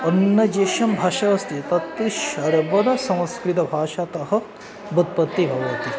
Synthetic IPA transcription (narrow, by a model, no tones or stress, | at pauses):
ɐnːɐd͡ʒeːʃɐmbʱaːʃɐʋɐst̪ʰit̪ɐt̪ːʃɐɾɐbɐd̪ɐsɐ̃w̃skɾit̪ɐbʱaːʃat̪ɐɦɐ̆ | bɐd̪̚pɐt̪ːibʱɐʋɐt̪i